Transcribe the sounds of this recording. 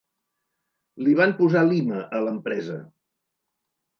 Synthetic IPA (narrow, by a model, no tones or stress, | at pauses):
liβampuzaliməʔələmpɾɛzə